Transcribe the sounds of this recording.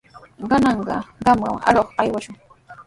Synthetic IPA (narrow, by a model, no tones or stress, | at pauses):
ɢɑnɑɴɢɑ̰ɢɑmɢɑ̰ma̰ɾoχajwaʃʊŋ